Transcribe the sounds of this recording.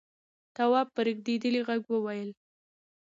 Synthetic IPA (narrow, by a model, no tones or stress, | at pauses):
t̪awɑp̚ːəɾəɡd̪ed̪əliɣaɡwəwajəl